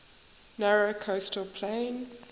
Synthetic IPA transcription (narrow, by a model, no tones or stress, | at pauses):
nɛɹokʰostəlpʰlẽɪn